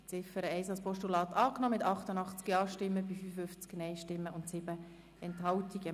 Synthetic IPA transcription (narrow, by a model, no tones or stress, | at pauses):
t͡sɪfəɾəɛɪsɑlspɔʃtulɑːtɑːknɔmɪtɑχtənɑχt͡skjɑːʃtɪmːəbifyfəfʏft͡sknɛɪʃtɪmːəʊntsɪbə | ɛnthɑltiɡə